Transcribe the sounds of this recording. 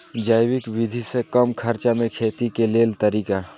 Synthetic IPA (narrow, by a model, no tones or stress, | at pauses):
d͡ʒaːɪwɪkwɪd̪ʱisekɐmkʰɐɾt͡ʃamẽkʰeːt̪ikeleːlt̪əɾiːka